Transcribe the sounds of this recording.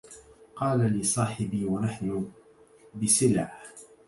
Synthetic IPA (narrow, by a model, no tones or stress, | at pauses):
qɑːlalɪsˤɑːħɪbiːwanaħnʊ | bɪsɪlʕa